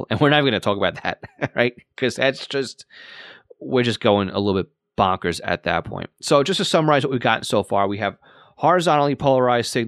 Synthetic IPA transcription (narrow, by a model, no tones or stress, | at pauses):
lˠɨ̰̃nwəɹnaɪ̃ɡʌnɨtʰɔkəbaʊt̪̚ðæ̰t̚ɹa̰ɪt̚kʰʌzðætsd̥ʒ̥ʌst̚ | wɪɹd͡ʒʌsɡ̥oʊɪ̃ŋə̰lɪɾl̩ˠbɪt̚ | b̥ɑ̃ŋkə˞zɨ̰t̪̚ðɨ̰t̚pʰɔ̰̃ɪ̃ntsoʊd͡ʒʌstɨ̥sʌ̃mə˞aɪzwt̚wiɡɑʔn̩soʊfɑɹwiɨv̥ | hɑɹɨzɑ̃nl̩ˠipʰoʊlˠə˞aɪzd̥sɪɡ̚